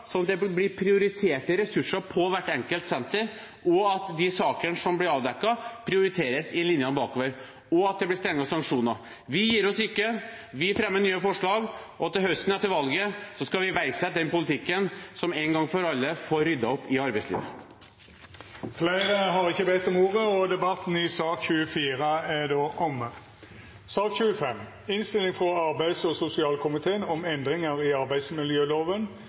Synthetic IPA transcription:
sɔnɑt̪̚d̪ɛblɪpʰɾɪʊɾɪt̪ʰeːʈːəɾɛsʉʂːəpʰɔʋæʈːɛŋkəlt̪sɛnt̪əɾ | ʔɔɑt̪d̪ɪsɑːkənəsɔmblɪɾɑːʋd̪ɛkːɑpʰɾɪʊɾɪt̪ʰeːɾəsɪlɪnjɑnbɑːkoːʋəɾ | ɔɑt̪̚d̪ɛblɪst̪ɾɛŋːɑsɑŋkʂuːnəɾ | ʋɪjiːɾɔsɪkːə | ʋɪfɾɛmːənyːəfɔʂɭɑːɡɔɑt̪ːɛɦœst̪ən̩ɛt̪ɪlʋɑlɡəsɔskɑʋɪʋæɪsəd̪ɛnpʊlɪt̪ʰɪkːənsɔmeːnŋɡɑŋfɔɾɑlːəfoːɾʏd̪ːɑɔpːɪɑɾbæɪslḭːʋə̰ | flæɪʁəɦɑʁɪçːəbɛt̪ːɔmuːʁəɔd̪ɛbɑt̪ːn̩ɪsɑːkçʉːəfiːʁəæd̪oːʔɔmə | sɑːkçʉːəfɛm | ɪnst̪ɪlːɪŋfʁɔɑɾbæɪd̪sɔsʊsɪɑːlkʰʊmɪt̪ʰeːənɔmɛnd̪ɾɪŋəʁɪɑɾbæɪd̪smɪljøːloːʋən

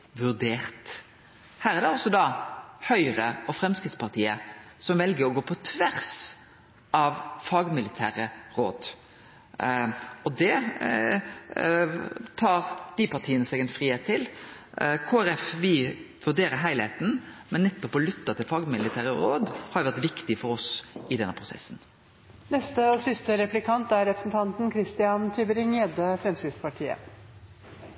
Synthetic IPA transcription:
ʋʉʁd̪eːʁt̪ | hæːɾɛæɾd̪ɛɔsɔd̪ɑhœʏɾəɔfɾɛmskʁɪt̪spɑʁt̪ʰiːəsɔmʋɛlɡəɾɔɡoːpʰɔt̪ʰʋæʁs | ʔɑʋfɑːɡmɪlɪt̪ʰæːʁəɾo̰ːd̪ | ɔd̪ɛ | t̪ʰɑːɾd̪̥ɪpɑʈ̪ʰiːənəsɛɡɛnfɾiːheːt̪ʰːɪl | kʰoːæɾɛfʋɪ | ʋʉɖeːɾəɾɦæɪlheːt̪n̩mɛnːɛt̪ːɔpːɔlʏt̪ːɑt̪ʰɪlfɑɡmɪlɪt̪ʰæːɾəɔ̰ɾoːd̪hɑɾjʊʋæɾt̪ʋɪkt̪ɪfɔɾɔsʔɪd̪ɛnːəpʰɾʊsɛ̰sːn̩ | nɛst̪əɔsʏst̪əɾɛplɪkʰɑnt̪æɾɾɛpɾəsn̩t̪ʰɑnt̪nkʰɾɪst̪ɪɑnt̪ʰybəɾɪŋeːd̪əfɾɛmsɪspʰɑʈʰiːə̰

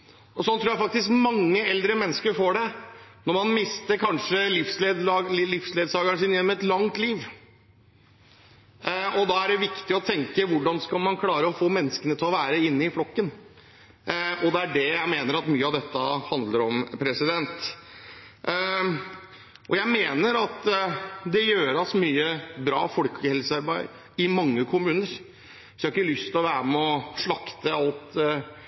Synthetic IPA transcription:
ɔsɔnt̪ʰɾuːjæɪfɑk̚t̪ɪskmɑŋːəɛld̪ɾəmɛnːəskəɾfoːɖɛnɔɾmɑnmɪst̪əɾkʰɑnʂəlɪfsleːd̪ɑːlɪfsleːd̪sɑːɡaɳʂɪnjɛnːmɛt̪lɑŋt̪liːʋ | ɔd̪ɑːæɖɛʋɪkt̪ɪɔt̪ʰɛŋkəʋʊɖɑnskɑlmɑnkʰlɑːɾəɔfoːmɛnːəskənət̪ʰɛlɔʋæːɾəɪnːəɪflɔkːən | ɔd̪ɛæɖɛjæɪmeːnəɾɑt̪myːəɑʋd̪ɛt̪ːəhɑnd̪ləɾɔmpʰɾɛsɪd̪ɛnt̪ | ʔɔjæɪmeːnəɾɑt̪d̪ɛjøːɾɑsmyːəbɾɑ̰ːfɔlkʰəhɛlsəɑɾbæɪ | ɪmɑŋːəkʰʊmʉːnəɾ | sjhɑɾɪkːəlʏst̪ʰɪlɔʋæːɾəmɛɔʂɭɑkt̪əɑlt̪

